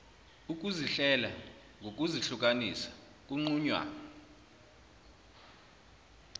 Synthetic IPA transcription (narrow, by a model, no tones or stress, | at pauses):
uk̬uziɬɛla | ŋɡʱok̬ʼuziɬuk̬ʼanisḁ | k̬ʼuŋ͡ǀuɲwa̰ːnɔ